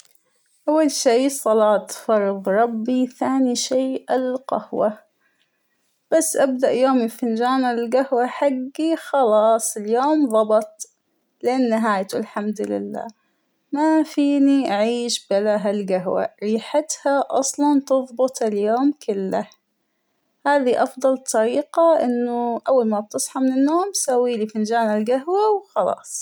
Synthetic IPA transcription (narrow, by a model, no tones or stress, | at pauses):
ʔawːalʃiːsˤɑlɑːt̪fɑɾˤðɾˤɑbːiθaːniʃeːʔɪlqɑ̰hwa | b̥asːʔab̚d̪aʔjoːmɪlfɪnd͡ʒaːnalɪlɡahwaħaɡːixɑlɑːsˤɪljoːmðˤɑbɑt̪̚ˤ | lʔɪnːɪɦaːjt̪ulħamd̪lɪ̰lːa̰ː | mafiːniʔaʕiːʃbalaɦalɡaɦwa̰ɾiːħat̪haʔɑsˤlɑnt̪ɨðˤbʊt̪ˤɪljoːmkʰɪlːa | haːðiʔɑfd̪ˤɑlt̪ˤɑɾiːqaʔɪnːʊʔawːalmab̚t̪ɨsˤħɑmɪnɪnːoːmsawːiːlifɪnd͡ʒaːnalɡaɦwawxɑlɑ̰ːsˤ